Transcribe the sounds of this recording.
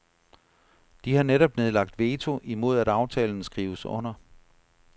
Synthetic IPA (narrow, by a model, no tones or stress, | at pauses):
d̥ihɑ̈neɾɒ̽b̥ne̝ð̞ˠlɑ̈ɡ̥̚d̥ʋe̝ːt͡sʰo̝ʔimo̝ð̞̰ˠæɾ̥ɑ̈ʊt͡sʰɛ̰ːln̩sɡ̥ʁiːʊəsɔ̽n̰ɐ